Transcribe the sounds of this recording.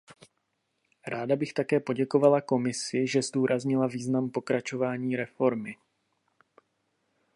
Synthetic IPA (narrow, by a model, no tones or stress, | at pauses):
ɾaːdabɪxt̪akɛːpo̞ɟɛko̞valako̞mɪsɪʒɛzduːɾazɲɪlaviːznampo̞kɾat͡ʃo̞vaːɲiːɾɛfo̞ɾmɪ